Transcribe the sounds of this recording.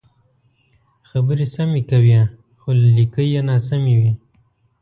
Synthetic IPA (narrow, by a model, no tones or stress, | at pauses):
xabəɾesamekawja | xolalikəjenɑs̬amiwi